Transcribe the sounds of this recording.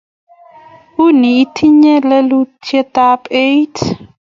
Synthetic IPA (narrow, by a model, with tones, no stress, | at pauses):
u˦ni˨i˦tʰi˦ɲɛ˦lɛ˦lutʰɛtapejtʰ